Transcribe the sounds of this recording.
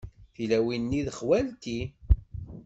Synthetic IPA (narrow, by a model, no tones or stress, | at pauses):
θilæwinːiðəχwælt̪i